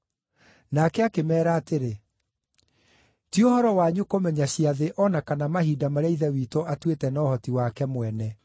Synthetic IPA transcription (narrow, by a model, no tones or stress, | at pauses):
nakɛakemɛːɾaːteɾe | tiohɔɾɔwaɲukomɛɲaɕiaðeʔɔnakanamaɦiːdamaɾɛiðɛwiːtoatwetɛnɔhɔtiwakɛmwɛnɛ